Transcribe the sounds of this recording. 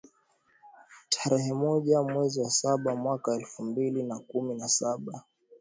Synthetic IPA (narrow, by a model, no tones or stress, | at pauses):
tʰaɾɛɦɛmɔʄamwɛziwasaɓamwakaɛlfumbilinakuminasaɓa